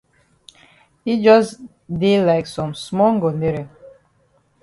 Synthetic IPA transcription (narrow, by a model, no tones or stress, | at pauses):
hid͡ʒɔs | delaɪksɔ̃msmɔŋɡoneɾi